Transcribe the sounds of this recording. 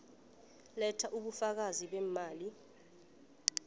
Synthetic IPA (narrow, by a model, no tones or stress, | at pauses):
lɛtʰaʔuɓufak̬aziɓɛːmaːli